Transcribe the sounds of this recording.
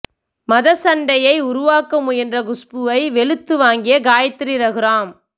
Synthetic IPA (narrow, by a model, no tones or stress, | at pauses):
mɐðɐsɐɳɖɐjɐɪʊɾʊʋaːkːɐmʊjɛndrɐɡʊspɯʋɐɪʋɛɭɯt̪ːɯʋaːŋɡɪjɐɡaːjɐt̪ːɪɾɪɾɐɣɪɾaːm